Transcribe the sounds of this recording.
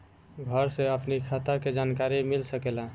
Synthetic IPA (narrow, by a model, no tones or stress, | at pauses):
ɡʱəɾseəpnikʰat̪aked͡ʒankaɾimilsəkela